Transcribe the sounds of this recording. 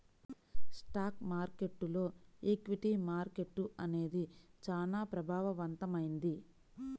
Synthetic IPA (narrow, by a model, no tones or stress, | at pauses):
sʈaːkmaːɾke̞ʈːulo̞ːeːkʋiʈimaːɾke̞ʈːuɐne̞ːd̪it͡ʃaːnaːpɾɐbʱaːʋɐʋɐnt̪ɐmɐjind̪i